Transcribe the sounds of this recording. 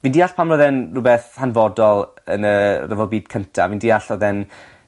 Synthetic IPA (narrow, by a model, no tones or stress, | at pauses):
viːndiːaɬpʰamnɔðɛnrʊbɛθhanvɔdɔlˠ | ə̰nərəvɔlˠbiːd̥kʰəntʰaviːndiːaɬɔðɛn